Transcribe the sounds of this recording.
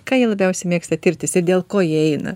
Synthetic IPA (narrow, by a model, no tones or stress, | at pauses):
kɑːjiɛlˠɐbʲɛʊsʲɛɪmʲeːkst̪ɐt̪ʲɪɾʲt̪ʲɪsɪɾd̪ʲeːlˠkoːjiɛɛɪnɐ̰